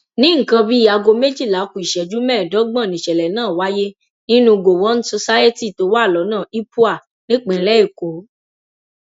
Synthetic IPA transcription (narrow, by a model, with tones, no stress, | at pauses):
nĩ˦ŋ̩˨kã˧bi˦a˧ɡo˧me˦d͡ʒi˦˨la˨˦ku˨i˨ʃɛ˨d͡ʒu˨˦mɛ̃ː˦˨dɔ˨˦ɡ͡bã˦˨nĩ˨ʃɛ˨lɛ˨nãː˦˨wa˦je˦ | nĩ˦nũ˧ɡo˨wɔ˨˦n̩˦so˧sa˦e˦ti˦˨to˨˦wa˦˨lɔ˨˦nãː˦˨i˦pu˦a˦˨ | nĩ˦k͡pɛ̃˨lɛ˦i˦˨ko˨˦